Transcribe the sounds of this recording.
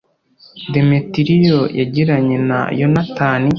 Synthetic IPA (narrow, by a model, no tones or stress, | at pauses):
demetiɾijojaɟiɾaɲena̰jonataːni